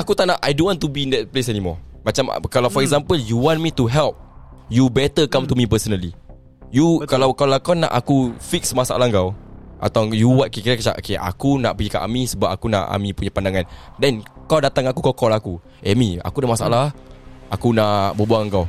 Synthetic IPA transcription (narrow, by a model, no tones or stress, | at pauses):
akut̪aʔnaʔajdõnwɔ̃nt̪ubindɛt̚plesɛnimɔmat͡ʃam̰kalawfɔɾɛɡzãmpəljuwɔ̃nmit̪uɦɛlp̚jubɛt̪əkamt̪umĩp̬əsənəli | jukalawkalakawna̰ʔakufiksmasaʔa̰lahŋɡawʔa̰t̪awjuwat̪̚kikiɾakət͡ʃa̰ʔo̰kea̰kunaʔpəɡikaʔa̰mĩsəbap̚akuna̰ʔa̰mĩpuɲapandaŋãndɛnkawdat̪aŋakukɔkɔlaku | ʔɛmia̰kudamasaʔa̰lahakunaʔʔbəbuaŋŋɡaw